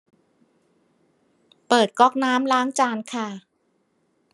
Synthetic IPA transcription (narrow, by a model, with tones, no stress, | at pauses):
pɤː˨˩t̪̚kɔ˦˥˩k̚naː˦˥mlaː˦˥ŋt͡ɕaː˧nkʰa˥˩